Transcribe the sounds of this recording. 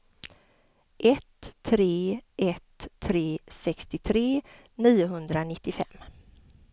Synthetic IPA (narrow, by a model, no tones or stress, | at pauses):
ʔɛt̪ʰːɾeːʔɛt̪ʰːɾeːsɛkst̪ɪt̪ʰɾeː | niːʊɦɵnd̪ɾanɪt̪ːɪfɛ̰mː